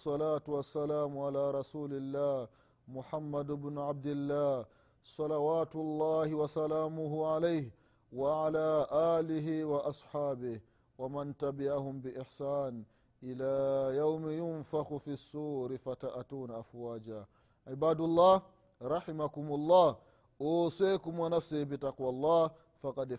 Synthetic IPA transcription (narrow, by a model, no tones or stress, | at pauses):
sˤːɑlaːtuwasːalaːmʕalaːɾˤɑsuːlɪlːaːh | mʊħamːadʊbnʊʕab̚dɪlːaː | sˤɑlawaːtʊlˤːaːhɪwasalaːmʊɦuʕalajh | waʕalaːʔaːlɪɦiwaʔɑsˤħaːbɪh | wamantabɪʕahʊmbɪʔɪħsaːn | ʔɪlaːjawmjʊnfaxufisːuːɾifataʔatuːnaʔafwaːd͡ʒa | ʕibaːdulˤːaːh | ɾˤɑħɪmakumʊlˤːɑː | ʔɔsɛkumwanafsihbitaqwalˤːɑː | faqɑd